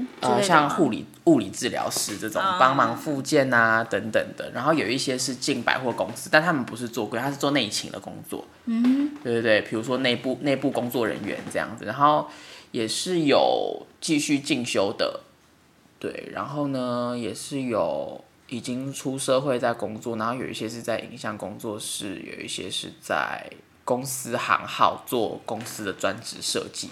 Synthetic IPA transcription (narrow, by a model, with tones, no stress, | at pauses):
t͡ɕoə˥˧˨ɕjɑ˥˧ŋxu˥˩lḭ˨˩ | u˥˩li˨˩t͡sɹ̩˥˩ljɑ̰˧˥ʊʂɻ̩˧˥ʈ͡ʂə˥˩ʈ͡ʂʊ̰˨˩ŋpɑ˦˥ŋmɑ˧˦ŋfu˥˧t͡ɕjɛ˥˩na˩t̪ə˧˦˥ŋt̪ə˨˩ŋd̪ə̰˩ɻa˧˥nxo˥˩ʊjo˨˩ʊi˥˩ɕjɛ˦˥ʂɻ̩˥˧t͡ɕi˥˨˩ŋpa̰˨˩ɪxwɔ˥˩kʊ˦˥ŋsɨ˥t̪a˥˧nt̪ʰa˥mə˨npu˧˦ʂ̬ɻ̩˥˧t͡swɔ˥˧kwt̪ʰa˥ʂɻ̩˥˩t͡swɔ˥˧ne˥˩ɪt͡ɕʰḭ˧˥ŋd̪ə̰˨kʊ̰˥ŋt͡swɔ̰˥˩ | t̪e˥˧˩t̪we˥˩ɪpʰi˨˩ɻu˧˥ʂwɔ˦˥ne˥˧ɪpu˥˩ne˥˧ɪpu˥˩kʊ˥ŋt͡swɔ˥˩ɻə̰˧˦nɥɛ̰˧˦nʈ͡ʂɤ˥˧jɑ̰˥˩ŋd͡z̩˨˩ɻa˧˦nxo˥˩ʊjɛ˨˩ʂɻ̩˥˩jo˨˩ʊt͡ɕi˥˧ɕy˥˧t͡ɕi˥˩ŋɕjo˥ʊd̪ə̰˨˩ | t̪wḛ˥˩ɪɻa̰˧˥nxo˥˩ʊnə˩jɛ˨˩ʂɻ̩˥˩jo˨˩ʊ | i˨˩t͡ɕi˥ŋʈ͡ʂʰu˥ʂɤ˥˧xwe˥˧ɪt͡sa˥˩ɪkʊ˥ŋt͡swɔ˥˨na˧˦nxo˥˩jo˨˩i˥˩ɕjɛ˦˥ʂ̬ɻ̩˥˧t͡sa˥˩ɪʔḭ˨˩ŋɕjɑ˥˨˩ŋkʊ˥ŋt͡swɔ˥˧ʂɻ̩˥˩jo̰˨˩ʊḭ˥˩ɕjɛ̰˦ʂɻ̩˥˧t͡sa̰˥˩ɪ | kʊ˥ŋs̩˥xɑ̰˧˥ŋxɑ˥˧ʊt͡swɔ̰˥˩kʊ˥ŋsɹ̩˥d̪ə˨t͡swa˦nʈ͡ʂɻ̩˧˥ʂɤ̰˥˧t͡ɕḭ˥˨